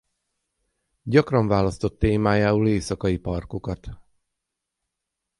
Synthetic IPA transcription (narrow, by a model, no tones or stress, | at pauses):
ɟɒkrɒɱvaːlɒst̪o̞t̪ːeːmaːjaːuleːsɒkɒjipɒrkokɒt̪